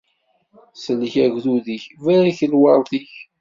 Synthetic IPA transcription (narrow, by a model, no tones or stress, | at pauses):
səlçæʝðuðiçvæɾiçəlwɑɾˤθiç